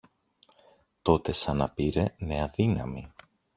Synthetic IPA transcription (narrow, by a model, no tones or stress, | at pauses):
t̪o̞t̪e̞sɐnɐpiɾe̞neɐðinɐmi